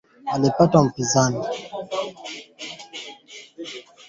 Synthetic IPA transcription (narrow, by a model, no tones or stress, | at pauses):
alipatwam̩pizani